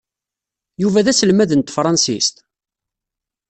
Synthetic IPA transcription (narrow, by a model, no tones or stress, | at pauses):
juvæðæsəlmæðənt̪fɾˤɑnsḭst̪